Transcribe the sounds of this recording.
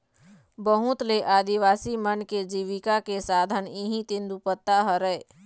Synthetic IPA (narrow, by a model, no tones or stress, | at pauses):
bəɦʊ̃t̪leʔaːd̪iʋaːsimənked͡ʒiːʋɪkakesaːd̪ʱəniɦĩt̪ɪ̃nd̪upət̪ːaɦəɾɛe